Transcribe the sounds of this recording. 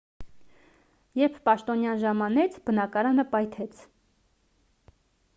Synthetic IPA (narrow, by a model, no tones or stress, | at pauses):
jɛɾpʰpɑʃt̪ɔnjɑnʒɑmɑnɛt͡sʰbənɑkɑɾɑnəpɑjt̪ʰɛt͡sʰ